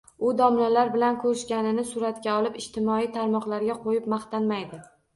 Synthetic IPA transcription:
ʊd̪ɒmnalaɾbɪlankʰɵɾɪʃkʲanɪnɪsʊɾat̪kʲaɒlˠɪpɪʃt̪ʰɪmɒijt̪ʰaɾmɒqlaɾɡʲaqʰojɪpmaχt̪anmajd̪ɪ

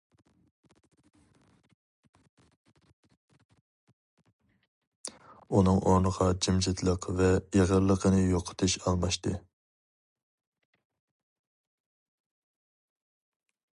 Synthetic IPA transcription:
unɨŋʔoɾnəʁɑd͡ʒimʒɪt̪ʰlˠəqvɛjeʁəɾlˠːəqʰənɨjoqʰə̥t̪ʰɨʃɑlˠmɑʃt̪ɨ

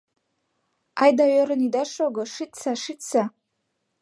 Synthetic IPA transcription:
ajdaɥaɾɨnidaʂoɡəʂit͡sʰaʂit͡sʰa

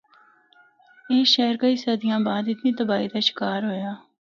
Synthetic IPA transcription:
eːʃɛːɾkəiːsəːd̪ɪjãːbaːd̪ɪt̪niːt̪əbaːiːd̪aːʃɪ̥kaːɾɦoːjaː

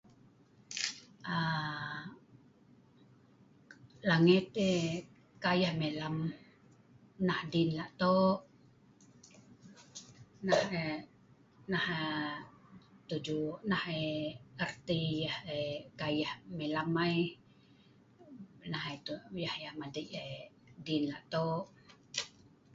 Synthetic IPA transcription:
a | laŋit̪e | kajahmelam | nahdinlaʔt̪oʔ | nahe | naha | t̪ud͡ʒuʔnaheərt̪ijəhekajahmelamaj | nahat̪uʔjahjahmadəʔe | dinlaʔt̪oʔ

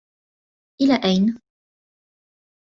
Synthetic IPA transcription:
ʔɪlaːʔajn

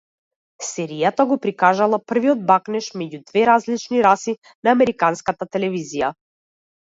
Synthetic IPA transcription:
sɛɾijat̪aɡɔpɾikaʒalˠapr̩viɔd̪̚baknɛʃmɛɟud̪vɛɾazlit͡ʃniɾasi | naːmɛɾikanskat̪at̪ɛlɛvizija

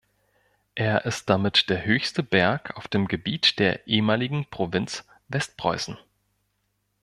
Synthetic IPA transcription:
ʔeːɐʔɪst̚d̥amɪtd̥eːɐɦøːçstəbɛɐkʰa̰ʊfd̥eːmɡəbiːtd̥eːɐʔeːəmaːlɪɡŋ̩pʁ̥ovɪnt͡s | vɛst̚pʁ̥ɔ̰ʏsn̩

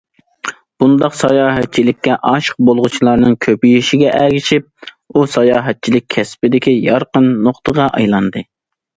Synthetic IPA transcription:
b̥und̪ɑqsɑjɑːɦɛt̪̚t͡ʃʰilɪkʲːɛʔɑʃq̚bolˠʁʊt͡ʃʰilˠɑɾnɨŋkʲʰøpijiʃiɡʲɛʔæɡʲiʃip̚ | usɑjɑːɦɛt̪̚t͡ʃʰilɪk̚ʲʰɛspɪd̪ɪkʲijɑɾqənːoqt̪ʰəʁɑʔɑ̰jlˠɑnd̪ɨ

